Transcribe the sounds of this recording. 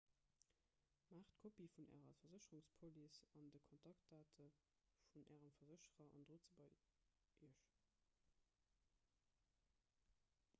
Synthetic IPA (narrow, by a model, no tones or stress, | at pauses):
maːχtkʰopifunʔæ̰ːʁɐfɐzəɕəʁuŋspʰolisɑndəkʰontʰɑkt̚daːtʰə | funæ̰ːʁəmfɐzəɕəʁɐʔɑ̰ndʁoːt͡səbɐ | iəʃ